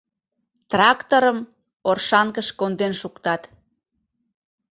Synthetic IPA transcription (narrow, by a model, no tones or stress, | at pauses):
t̪rɑkt̪oɾəm | orʃɑŋkəʃkond̪enʃukt̪ɑt̪